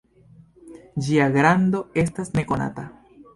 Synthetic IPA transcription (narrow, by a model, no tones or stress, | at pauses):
d͡ʒiaɡɾando̞e̞s̬tasne̞ko̞na̰ta